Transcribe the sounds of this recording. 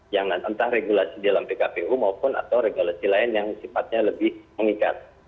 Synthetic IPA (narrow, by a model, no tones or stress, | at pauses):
jaŋnant̪ant̪ahreɡulasidalampekapeʔumaupʊna̰t̪awɾeɡulasilaɪnjaŋsifat̪̚ɲaləbɪhməŋika̰t̪̚